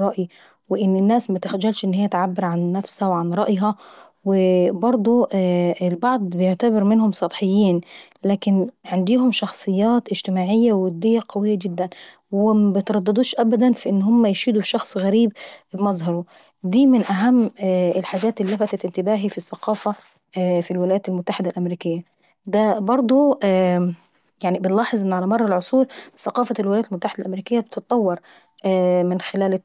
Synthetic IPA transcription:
ɾˤɑʔji | wɪʔɪnːɪnːaːsmat̪ɪxd͡ʒːælʃʔɪnːhɪjːæt̪ʕabːɪɾʕanːafshawʕanɾˤɑʔjɦɑ | wɪbɑɾˤd̪ˤuɪlbɑʕd̪ˤbɪjʊʕt̪abɪɾmɪnhʊmsˤɑt̪ˤħɪjːiːn | laːkɪnʕand̪iːhʊmʃɑxsˤɨjːɑːt̪ʔɪd͡ʒt̪ɪmaːʕɪjːawɪd̪ːɪjːaqɑwɪjːaɡɪd̪ːæn | wɪmæbɪt̪ɾˤɑd̪ːɨd̪uːʃʔabæd̪ænfiʔɪnːhʊmːæjʃiːd̪ufʃɑxsˤɣæɾiːb̚bmɑzˤɦɑɾˤu | d̪iːmɪnʔaɦamːɪlħaːd͡ʒaːt̪ʔliːafat̪at̪ʔɪnt̪ɪbaːɦifisːɑqɑːfa | filwɪlajaːt̪almʊt̪ːaħɪd̪alʔamɾiːkɪjːa | d̪abɑɾˤd̪ˤu | jaʕnibɪnlɑːħɨzˤʔɪnːʕalamɑrˤːɑlʕʊsˤuːɾθɑqɑːfalwɪlajaːt̪ɪlmʊt̪ːaħɪd̪alʔamɾiːkɪjːab̚t̪ɪt̪̚ˤt̪ˤːɑwːɑɾˤ | mɪnxɪlaːlɪ

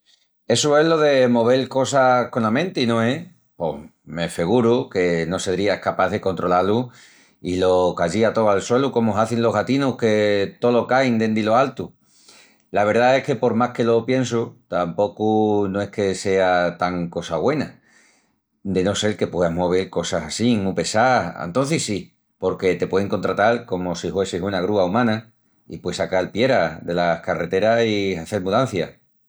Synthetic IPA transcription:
e̞sue̞ɦlo̞ðe̞mo̞β̞e̞lko̞sako̞namẽ̞nt̪einõe̞ | po̞me̞fe̞ɣ̞uɾuke̞no̞se̞ðɾiaehkapaðe̞ko̞nt̪ɾo̞lalu | ilo̞kaʝiat̪o̞alswe̞luko̞moaθenlo̞ɦɣat̪inuhke̞t̪o̞lo̞kajnd̪e̞nd̪ilo̞alt̪u | laβ̞e̞ɾðae̞hke̞po̞ɾmahke̞lo̞pje̞nsut̪ampo̞kunoe̞hke̞se̞at̪aŋko̞saɣwe̞na | d̪e̞no̞se̞ɾke̞pwe̞ðaɦmo̞β̞eɾko̞sasasimupe̞saa̰nt̪o̞n̟θisi | po̞ɾke̞t̪e̞pwe̞ðeŋko̞nt̪ɾat̪alko̞mo̞sihwe̞sesunaɣ̞ɾuaumãna | ḭpwe̞sakalpje̞ɾaðe̞lahkare̞t̪e̞ɾasiaθe̞ɾmuðan̟θja

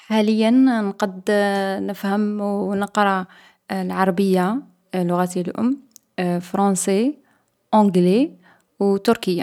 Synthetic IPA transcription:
hæləjːənnqɑd̪nəfhəmnəqɾˤɑ | lʕɑɾˤɑbəjːa | lːʊɣæt̪ijlʔʊ̰mː | fɾˤɑse | ʔõɡle | wt̪ʊɾkəjːa

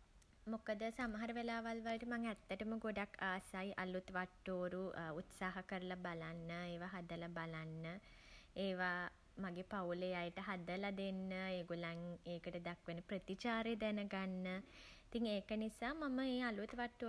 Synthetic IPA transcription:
mokəd̪əsamaɦaɾəʋelaːʋalʋalʈəmaŋɛt̪ːəʈəməɡoɖakʰːaːsajʔalut̪ʋaʈːoːɾuut̪saːɦɐkəɾəlabalanːəeːʋaɦad̪əlabalanːə | eːʋa | maɡepawlejajʈəɦad̪əlad̪enːəeːɡolaŋeːkəʈəd̪akʋenəprət̪it͡ʃaːɾed̪ɛnəɡanːəit̪iŋeːkənisaːmaməeːalut̪ʋaʈːoː

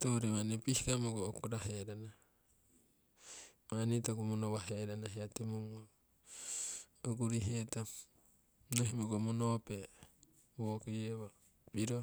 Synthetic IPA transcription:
toɾemanepihikamoɡokoɾaɦeɾana | manitoɡomonoβaɦeɾanaɦiatemuŋo | oɡuɾiɦeta | noɦimoɡomonope | βokejeβa | piɾo

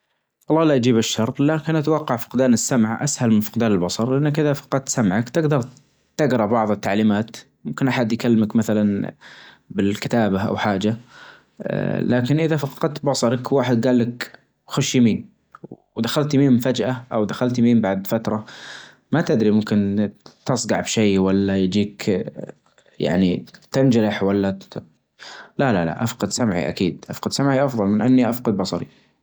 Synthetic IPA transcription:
ʔɑlˤːɑːlaʔd͡ʒiːbɪʃːɑɾˤt̪ˤlaːkɪnʔat̪awɑqːɑʕfʊ̥qd̪aːnɪsːamʕʔa̰shalmɪnfɑ̥qd̪aːnɪlbɑsˤɑɾˤlɪʔanːakʔɪðafɑ̥qɑd̪̚t̪samʕakt̪ɪɡd̪ɑɾˤ | t̪ɪɡɾˤɑbɑʕðˤɨt̪ːaʕliːmaːt̪ | mʊmkɪnʔaħad̪jkalːmakmaθalan | bɪlkɪt̪aːbaʔa̰wħaːd͡ʒa̰ | laːkɪnʔɪðafɑqɑd̪̚t̪bɑsˤɑɾˤɑkwaːħɪd̪̚ɡaːlːak | xʊʃjamiːn | w | d̪axalt̪miːmfad͡ʒʔaʔawd̪axalt̪miːmbaʕd̪fat̪ɾˤɑ | mat̪ɪd̪ɾimʊmkɪnt̪ɑsˤɡɑʕbʃaːwalːajd͡ʒiːk | ja̰ʕnit̪ɪnd͡ʒaɾɪħwalːa | lalala̰ʔafqɑd̪samʕḭʔa̰kiːd̪ʔafqɑd̪samʕiʔɑfðˤɑlmɪnʔanːiʔafqɑd̪̚bɑsˤɑɾḭ

